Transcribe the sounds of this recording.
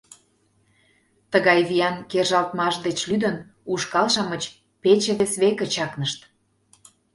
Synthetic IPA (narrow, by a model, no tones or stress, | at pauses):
t̪əɣɑjβijɑnkerʒɑlt̪mɑʃd̪et͡ɕlyd̪ə̆n | uʃkɑlʃɑmət͡ɕ | pet͡ɕĕβesβekə̆t͡ɕɑknəʃt̪